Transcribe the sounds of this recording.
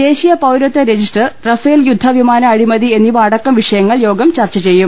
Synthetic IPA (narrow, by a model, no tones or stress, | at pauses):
e̞ːɕijɐpɐwɾot̪ːɐɾed͡ʑisʈɐrrɐfɐːljud̪ʱːɐʋimaːnɐːɻimɐðie̞nːiʋaːɽɐkːɐmʋiʂɐjɐŋːɐɭjo̞ːɡɐmt͡ɕɐrt͡ɕːɐt͡ɕe̞jːum